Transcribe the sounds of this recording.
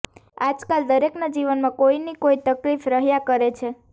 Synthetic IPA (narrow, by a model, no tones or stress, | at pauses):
ad͡ʒkald̪əɾeknad͡ʒiʋənmãkoinikoit̪əklifɾəɦjakəɾet͡ʃʰe